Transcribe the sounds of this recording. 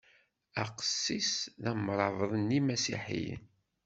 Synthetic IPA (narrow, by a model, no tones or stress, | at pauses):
æqə̥sːisðæmːɾˤɑvðˤənimæsḭħḭn